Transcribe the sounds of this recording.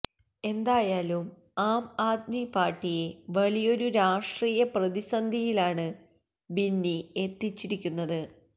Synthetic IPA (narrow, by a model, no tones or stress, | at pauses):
e̞nd̪aːjaːlum | aːmaːd̪mipaːrʈːije̞ʋɐlijo̞ɾuɾaːʂʈriːjɐprɐðisɐnd̪ʱijilaːɳɨ | binːiet̪ːit͡ɕːiɾikʲːunːɐðɨ